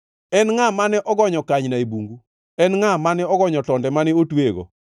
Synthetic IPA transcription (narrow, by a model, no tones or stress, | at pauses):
ɛnŋamanɛʔɔɡɔɲɔkaɲnaebuŋɡu | ɛnŋamanɛɔɡɔɲɔtɔndɛmanɪotweɡo̰